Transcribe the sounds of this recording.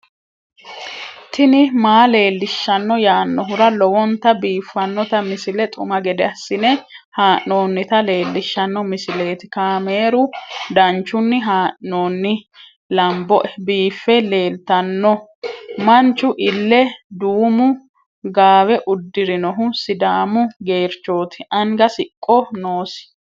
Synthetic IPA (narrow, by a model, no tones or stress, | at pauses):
t̪ɪnɪmaːle̞ːlːɪʃːɐnːɔjaːnːɔɦʊɾɐlɔwɔnt̪ɐbiːfːɐnːɔt̪ɐmɪsɪlɛt̪ʼʊ̰mɐɡɛd̪ɛɐsːɪnɛ | haːʔːo̞ːnːɪt̪ɐle̞ːlːɪʃːɐnːɔmɪsɪleːt̪ɪkaːme̞ːɾʊd̪ɐnt͡ʃːʊnːɪɦaːʔo̞ːnːɪ | lɐmbɔʔɛbiːfːɛle̞ːlt̪ɐnːɔmɐnt͡ʃːʊʔɪlːɛd̪uːmʊ | ɡaːwɛʔʊd̪ːɪɾɪnɔɦʊsɪd̪aːmʊɡe̞ːɾt͡ʃːo̞ːt̪ɪ̥ʔɐŋɡɐsɪkʼːɔnoːsɪ̥